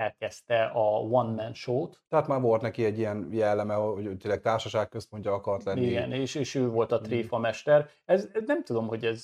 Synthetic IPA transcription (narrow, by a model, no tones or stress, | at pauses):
ɛlkɛst̪ɛʔɒvɒnmɛnʃoːt̪t̪ɛɦat̪maːɾvo̞lt̪nɛkiɛɟːijɛnjɛlːɛmɛohoot̪eːlːɛk̚t̪aːrʃɒʃaːkkøspo̞ɲcːɒɒkɒɾt̪lɛniiɡɛ̰neːʃeːʃøːvo̞lt̪ɒt̪reːfɒmɛʃt̪ɛr | ɛznɛmt̪ud̪o̞mho̞ɟɛz